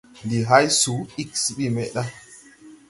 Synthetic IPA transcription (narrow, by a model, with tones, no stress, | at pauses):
ndi˨ɦa˦jsu˨˦i˦ksi˨ɓi˦˨mɛ˨ɗa˦